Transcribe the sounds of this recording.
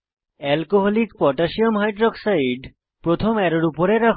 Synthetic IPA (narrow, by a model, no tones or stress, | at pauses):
ɛlkoɦɔlikpɔʈaʃiomɦajɖɾɔksajiɖ | pɾot̪ʰomɛɾoɾupoɾeɾakʰ